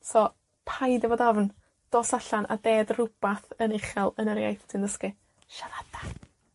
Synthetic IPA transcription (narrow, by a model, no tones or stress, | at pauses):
sɔ | pʰajdɛvɔːdɔvn | d̥oːsaɬanʔa̰deːdrʊb̥aθənɪχɛlˠənəɾjajθtʰɪnðəskɨ | ʃaɾad̥ḁ